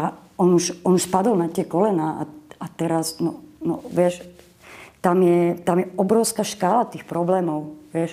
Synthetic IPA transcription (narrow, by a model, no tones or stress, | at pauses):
aɔnuʃɔnuʃpad̪ɔlnat̪ɪɛkɔlɛnaːʔa̰at̪ɛɾaznɔ̰nɔ̰ʋɪɛʃ | t̪amjɛt̪amjɛɔbɾɔʊskaʃkaːlat̪iːxpɾɔblɛːmɔʊʋɪɛʃ